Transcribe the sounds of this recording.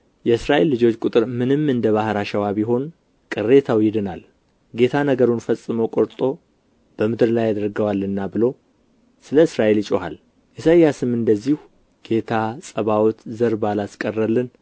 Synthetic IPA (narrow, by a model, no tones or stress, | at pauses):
jɛɨsɾaʔe̞lːɨd͡ʒo̞t͡ʃːkʼʊt̪ʼɨɾmɨnɨmɨnd̪əβahɾaʃəwaβiɦo̞n | kʼɨrːe̞t̪ʰawjɪd̪ɨnal | ɡe̞t̪ʰanəɡəɾunfəsʼːɨməwkʼoɾt̪ʼo̞ | b̥əmɨd̪ɨɾlajad̪əɾɡəwalːɨnːabɨlo̞ | sɨləɨsɾaʔe̞lt͡ʃʼoɦa̰l | ʔɛsəjːasɨmɨnd̪əzːihu | ɡ̥e̞t̪ʰasʼəβawt̪zəɾbalaskʼərːəlːɨn